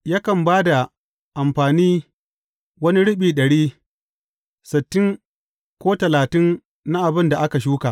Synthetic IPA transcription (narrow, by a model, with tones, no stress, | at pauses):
ja˦kɐ˨mbaː˦da˨ | ʔa˨mɸaː˨niː˦ | wɐ˦ni˦ɽɪ˦ɓiː˨ɗɐ˨ɽiː˦ | sɪ˨tːɪ˦ŋ | kʷoː˦tɐ˨laː˨tɪ˦ŋ | na˦ʔa˨bɪ˦nda˨ʔa˦ka˨ʃ̬uː˦kaː˨